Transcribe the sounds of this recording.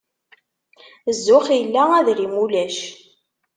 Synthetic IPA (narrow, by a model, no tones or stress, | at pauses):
zːʊχjəlːææðɾimulæʃ